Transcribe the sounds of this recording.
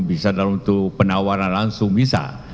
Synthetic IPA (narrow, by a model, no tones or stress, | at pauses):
bisadalunt̪upənawaɾanlaŋsʊŋbisa̰